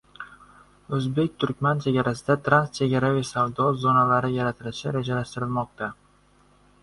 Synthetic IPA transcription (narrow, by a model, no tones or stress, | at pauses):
ɵzbe̞k̚ʲt̪ʰʊɾkʲmant͡ʃʰe̞ɡʲaɾasɪd̪at̪ʰɾanst͡ʃʰe̞ɡʲaɾavisavd̪ɒzonalaɾɪjaɾat̪ʰɪlɪʃɪɾed͡ʒalaʃt̪ɪɾɪlˠmɒq̚t̪ʰa